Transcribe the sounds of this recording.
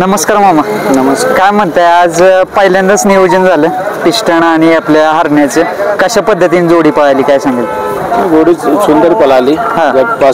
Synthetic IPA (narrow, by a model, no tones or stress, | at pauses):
nəməskaɾmamanəməskajm̤əɳt̪aad͡zpəɦiljãnd̪ət͡snijod͡ʑənd͡zʱaləpiʂʈəɽ̃aɽ̃iapljaɦəɾɳjat͡sekəɕapəd̪ʱːət̪iːnid͡zoɽiːpəɭ̤ajliːkajsãŋɡəl | id͡zoɽiːsund̪əɾipəlaliːɦãapa